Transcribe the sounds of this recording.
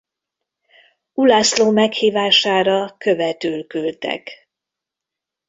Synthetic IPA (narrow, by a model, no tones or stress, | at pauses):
ulaːsloːmɛkhiːvaːʃaːɾɒkøvɛt̪yːlkylt̪ɛ̰k